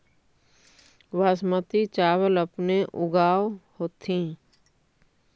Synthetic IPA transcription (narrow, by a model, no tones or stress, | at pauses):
waːsmət̪it͡ʃaːwələpneʔʊɡaːohoːt̪ʰĩː